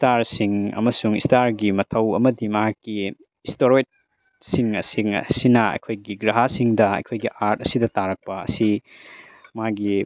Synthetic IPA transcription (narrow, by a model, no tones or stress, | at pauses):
staɾsiŋɐ̰mɐsuŋistaɾɡimɐtʰɐwɐmɐdimɐɦakːi | istoɾojt̚ | siŋɐsiŋɐ̰sinɐɐ̰jkʰojɡiɡɾaɦasiŋdɐɐ̰jkʰojɡiʔaɾt̚ɐsidɐtaɾɐk̚pɐɐ̰si | maɡi